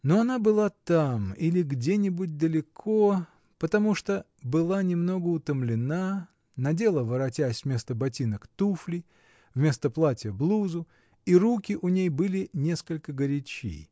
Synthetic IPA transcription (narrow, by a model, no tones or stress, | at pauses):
noɐnabɨlˠat̪amilʲɪɡdʲenʲɪbʊt̚ʲd̪əlʲɪkʰo | pət̪ɐmuʂt̪o | bɨlˠanʲɪmno̞ɡəʊt̪əmlʲɪna | nɐdʲe̞lˠəvəɾɐtʲæsʲvmʲe̞st̪əbɐtʲinəkt̪uflʲɪ | vmʲe̞st̪əplˠatʲɪjəblˠuzʊ | iɾukʲɪʔʊnʲejbɨlʲɪnʲe̞skəlʲkəɡəɾʲɪt͡ɕḭ